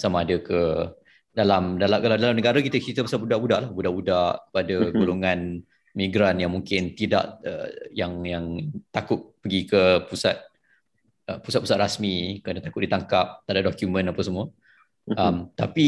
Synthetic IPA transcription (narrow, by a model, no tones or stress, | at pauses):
samaːdəkə | dalamdalakaladalamnəɡaɾakit̪ət͡ʃit̪əbəsabudaʔbuda̰ʔlahbudaʔbudaʔkə̥padəɡoloŋãn | miɡɾanjaŋmuŋkɪnt̪ida̰ʔə̰jaŋjaŋt̪akʊt̪̚pəɡikəpusa̰t̪̚ | əpu̥sat̪̚pusat̪̚ɾasmikəɾanət̪akʊt̪̚dit̪aŋkap̚t̪aʔdaʔdokjumə̃napawsəmuə | əmt̪api